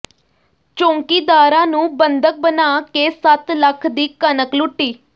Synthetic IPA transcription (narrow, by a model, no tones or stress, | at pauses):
t͡ʃõːŋkiːd̪aːɾãːnũːbənd̪ək̚bənaːkeːsət̪ləkʰd̪iːkənəklʊʈːiː